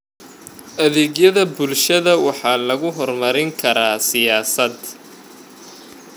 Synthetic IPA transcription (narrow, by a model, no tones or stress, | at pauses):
ʔɐðeːɣjɐðɐbʊlʃɐðɐwɑħɑːlɐɣʊɦɔrmɐɾɪŋkʰɐɾaːsɪjaːsɐd̪